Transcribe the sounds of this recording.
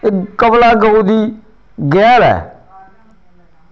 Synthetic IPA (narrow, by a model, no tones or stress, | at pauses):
ɪkkəblaːɡəud̪iː | ɡɛːlɛ̰ː